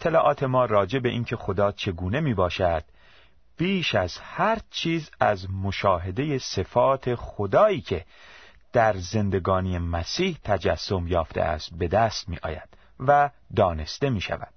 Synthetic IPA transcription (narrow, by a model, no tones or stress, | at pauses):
et̪ʰːelɒːʔɒːt̪ʰe̞mɒːrɒːd͡ʒe̞be̞ʔiːncʰe̞xo̞d̪ɒːt͡ʃʰe̞ɡuːne̞miːbɒːʃæd̪̥̚ | b̥iːʃæz̥hæɾt͡ʃʰiːzæzmo̞ʃɒːɦe̞d̪e̞je̞se̞fɒːt̪ʰe̞xod̪ɒːiːcʰe̞ | d̪̥æɾze̞nd̪e̞ɡɒːnijemæsiːht̪ʰæd͡ʒæsːo̞mjɒːft̪e̞̰ʔæ̰st̪̚be̞d̪æst̪̚mḭːʔɒ̰ːjæ̰d̪̥ | væ | d̪ɒːne̞st̪e̞miːʃæ̰væ̰d̪̥